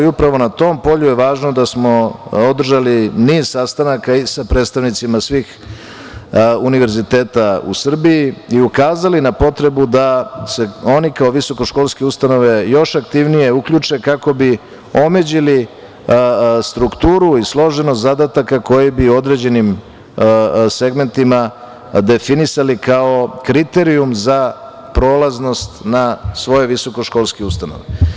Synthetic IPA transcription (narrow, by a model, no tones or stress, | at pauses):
iupɾaʋo̞nat̪o̞ːmpo̞ʎujeʋaːʒnod̪asmo̞od̪r̩ʒaliniːz̥sast̪anakaisapɾet̪st̪aʋnit̪simasʋiːx | uniʋe̞ɾzit̪e̞ːt̪aṵsr̩biiiukaːzalinapo̞t̪ɾe̞bud̪ase̞o̞nikaoʋiso̞ko̞ʃko̞lˠske̞ust̪ano̞ʋe̞jo̞ʃakt̪iʋnije̞ukʎut͡ʂe̞kako̞bi | o̞me̞d͡ʑili | st̪ɾukt̪uːɾuislˠo̞ʒenot̪zad̪at̪akako̞jibiuo̞d̪ɾe̞d͡ʑe̞nim | se̞ɡme̞nt̪ima | d̪e̞finisalikao̞kɾit̪e̞ɾiumza | pɾo̞ːlˠazno̞st̪nasʋo̞jeʋiso̞ko̞ʃko̞ːlˠskeust̪ano̞̰ʋe